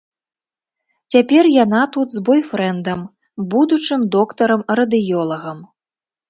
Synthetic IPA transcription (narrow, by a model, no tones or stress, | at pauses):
t͡sʲapʲɛrjanat̪ut̪zbɔjfɾɛnd̪ɐm | bud̪ut͡ʂɨmd̪ɔkt̪ɐɾɐmɾɐd̪ɨjɔlˠɐɣɐm